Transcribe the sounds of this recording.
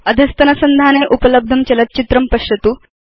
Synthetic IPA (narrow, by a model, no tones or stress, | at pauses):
ɐd̪ʱɐst̪ɐnɐsɐnd̪ʱaːneʔupɐləb̚d̪ʱɐmt͡ɕɐlɐt̪̚t͡ɕit̪ɾɐmpɐʂjɐt̪uː